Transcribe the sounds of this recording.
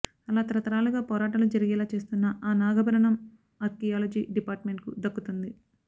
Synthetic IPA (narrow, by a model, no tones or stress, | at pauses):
ɐlaːt̪ɐɾɐt̪ɐɾaːluɡaːpɔːɾaːʈɐlud͡ʒɐɾiɡɛːlaːt͡ʃe̞ːst̪unːɐʔaːnaːɡɐbɐɾɐɳɐm | ɐɾkijaːlɐd͡ʒiːɖipaːɾʈmeɳʈkud̪ɐkːut̪und̪i